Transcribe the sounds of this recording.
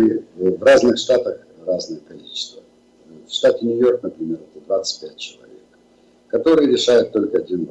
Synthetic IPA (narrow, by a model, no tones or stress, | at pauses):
vraznɨxʂt̪at̪əx | raznəjəkɐlʲit͡ɕɪ̥st̪və | fʂt̪atʲɪnʲʊjo̞rknəpɾʲɪmʲe̞ɾɛt̪əd̪vat̪sɨ̥tʲpʲæt̚ʲt͡ɕɪlˠɐ̰vʲeḛk | kːɐt̪o̞ɾɨjəɾʲɪʂajʊt̪ːo̞lʲkəɐdʲinb